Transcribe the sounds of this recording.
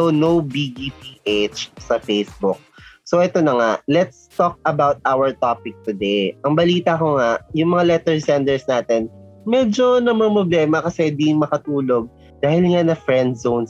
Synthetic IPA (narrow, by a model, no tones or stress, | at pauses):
onowbiɡipiːʔet͡ʃsɐfejsbʊk̚soʔɛt̪o̞nɐŋaʔlɛt̪st̪ok̚ɐbawt̪̚ʔawɐɹt̪opɪk̚t̪ʊd̪ejʔɐŋbɐliːt̪ɐkoŋaʔjʊŋmɐŋalɛt̪ɛɹsɛnd̪ɛɹsnaːt̪ɛnmɛd͡ʒo̞nɐmɐpɾɐblɛːmɐkɐsɛd̪iŋmɐkɐt̪uːlo̞ɡ̚ | d̪aːhɪlŋanɐfɹɛnd̪̚zowns